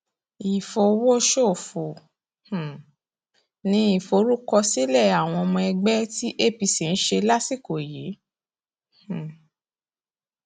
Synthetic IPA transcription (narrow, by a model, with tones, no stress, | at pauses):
i˨fo˨wo˦ʃo˦˨fo˨ | h̩˨ | nĩ˧˦i˦˨fo˨˦ɾu˦kɔ˧si˦lɛ˦˨a˨w̃ɔ̃˧ɔ˧mɔ̃˧ɛ˧ɡ͡bɛ˦ti˦ʔe˦˨bi˧si˨n̩˦ʃe˧la˦si˦˨ko˨ji˨˦ | h̩˨